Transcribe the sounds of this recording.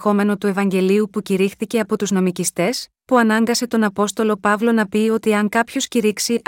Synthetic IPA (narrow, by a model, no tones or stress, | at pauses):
xo̞me̞no̞t̪ue̞vɐɲɟe̞liupuciɾixθice̞ɐpo̞t̪uzno̞micist̪e̞s | puɐnɐŋɡɐse̞t̪o̞nɐpo̞st̪o̞lo̞pɐvlo̞nɐpio̞t̪iɐŋkɐpço̞sciɾiksiʔ